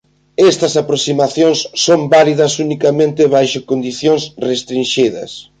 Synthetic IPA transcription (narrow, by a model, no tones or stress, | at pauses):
ɛst̪ɐsapɾosimaθjõŋsːombaliðɐsunikɐmẽnt̪ɪβajʃʊkond̪iθjõŋsrest̪ɾĩnʃiðɐ̰s